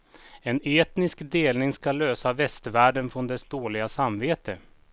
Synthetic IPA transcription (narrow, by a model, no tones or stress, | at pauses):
ɛneːt̪nɪskd̪eːlnɪŋskaløːsavɛst̪væːɖənfɾɔnd̪ɛsd̪oːlɪɡasamveːt̪ə